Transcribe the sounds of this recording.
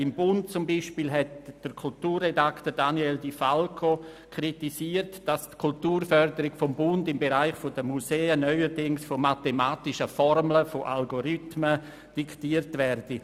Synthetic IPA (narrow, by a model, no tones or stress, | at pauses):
ɪmbʊntt͡sʊmbiːʃpiːlɦɛtd̥əɾkʰultuːrːedaktəɾdanieldifalkʰokʰritisiːrtd̥astkʰultuːɾfœɾdəɾɪɡfɔmbʊndɪmbeɾaɪχfodəmuseːənœʏəɾdɪŋsfomatemaːtɪʃəfɔɾmləfoʔalɡoɾytmə | d̥iktiːəɾtvɛrd̥i